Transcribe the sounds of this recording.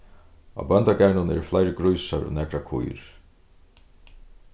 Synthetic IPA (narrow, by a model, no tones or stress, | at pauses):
a̰bœnt̪aɡɛɹɳʊnɛ̰ːɾflajɾəɡɾujsaɹɔ̰nɛːkɾakʰʊ̰jɾ̥